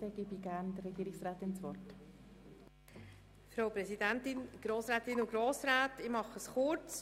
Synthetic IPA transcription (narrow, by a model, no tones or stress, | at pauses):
ɛɡ̥ibiɡæɾndərɾɛɡ̥iːɾɪksʁaːt̪ɪnsvɔrt | fɾawpɾɛsidɛntɪnɡ̥ɾoːsɾɛːt̪ɪnʊɡɾoːsɾaːtɪmɑχəsχʊɾt͡s